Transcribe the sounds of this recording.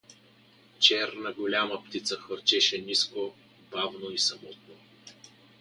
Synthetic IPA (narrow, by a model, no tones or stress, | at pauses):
t͡ʃɛɾnɐɡolʲaməpt̪it̪səxvəɾt͡ʃɛʃɛnisko | bavnoisɐmɔt̪̚no